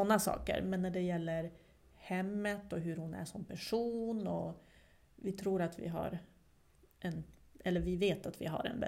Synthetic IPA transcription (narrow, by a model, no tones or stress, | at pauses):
ɔnːasɑ̰ːkə̰ɾmɛnːæɖɛjɛlːəɾ | hɛmːət̪ɔɦɵɾhʊnæ̰ʂɔmpʰæʂuːnɔ | vɪt̪ʰɾuːɾat̪vɪ̰ɦa̰ɾ | ʔɛnʔɛlːəɾvɪveːt̪at̪vɪ̰ɦa̰ɾɛ̰nbɛ̰